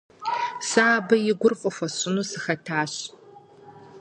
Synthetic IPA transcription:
saːbɐjɪɡʷʊrfʼʊfʷɐsɪnuːsɨxɐtʰaːɕ

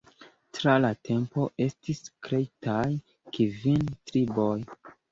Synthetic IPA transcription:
tɾalatʰe̞mpo̞ʔe̞stiskɾe̞jtʰaj | kivintɾibo̞j

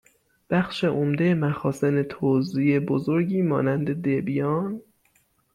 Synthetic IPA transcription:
b̥æxʃe̞ʔomd̪ejemæxɒːsenet̪ʰoziebozoɾɟiːmɒ̰ːnænd̪e̞d̪ebijɒːn

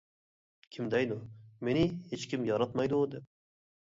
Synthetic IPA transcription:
kʲʰimd̪ɛjd̪umenɪhet͡ʃkʲimjɑɾɑt̪mɑjd̪ud̪ɪp̚

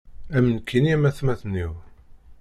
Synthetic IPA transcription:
æmənkʰːiniæmæθmæθnːiw

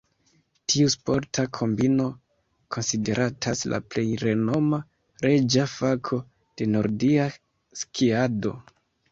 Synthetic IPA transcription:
tʰiuspo̞ɾtʰakʰo̞mbino̞ | kʰo̞nside̞ɾʔatʰasla̰ple̞jɾe̞no̞ma | ɾe̞d͡ʒafakʰo̞ | d̥e̞no̞ɾdia | skʰiado̞̰

